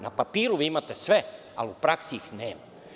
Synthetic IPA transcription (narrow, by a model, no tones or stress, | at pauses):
napapiːɾuʋiːimat̪esʋe | a̰liupɾaksiixneːma